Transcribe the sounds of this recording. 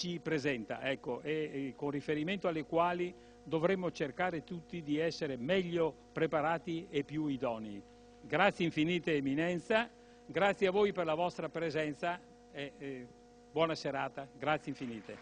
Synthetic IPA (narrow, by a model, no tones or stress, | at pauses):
t͡ʃipɾezɛnt̪a̰ʔɛkːoʔekonrifeɾiment̪oalːekwaːli | d̪ovɾemːot͡ʃerkaːɾet̪ut̪ːid̪iɛsːeɾemɛʎːo | pɾepaɾaːt̪iepːjuid̪ɔnei | ɡɾat̪sjeiɱfiniːt̪eːminɛnt̪sa | ɡɾat̪sːjeavojperlavɔst̪ɾapɾezɛnt̪sa | ɛ | bwɔnaseɾaːt̪aɡɾat̪sjeiɱfiniːt̪e